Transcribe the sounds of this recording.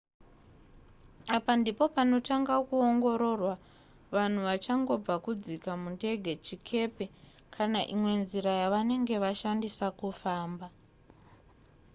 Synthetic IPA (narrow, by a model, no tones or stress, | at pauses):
apandipo̞pano̞taŋɡakuoŋɡo̞ɾo̞rwa | ʋan̤uʋat͡ʃaŋɡo̞b͡vakud͡zikamunde̞ɡʱet͡ʃikʰe̞pe | kʰanaʔimwe̞nziɾajaʋane̞ŋɡe̞ʋaʃandisakufaːmba